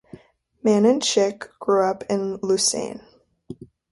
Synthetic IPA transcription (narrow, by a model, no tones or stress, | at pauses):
mæ̃nɨ̃nt͡ʃʰɪkɡ̥ɹuʌpʰɪ̃nlʉsḛ̃ɪ̃n